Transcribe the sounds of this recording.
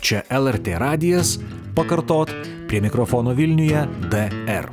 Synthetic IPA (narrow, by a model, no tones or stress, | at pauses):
t͡ʃʲɛʔɛlˠɛɾʲt̪ʲeːɾɑːd̪ʲɪjɛs | pɐkɐɾt̪oːt̪ | pʲɾʲiɛmʲɪkɾɔfɔːnoːʋʲɪlʲnʲʊjɛd̪ɛɛ̰r